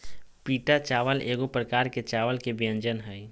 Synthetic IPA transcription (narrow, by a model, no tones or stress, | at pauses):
piːʈat͡ʃaːʋəleːɡopɾəkaːɾket͡ʃaːʋəlkebɪjə̃nd͡ʒənɦɛi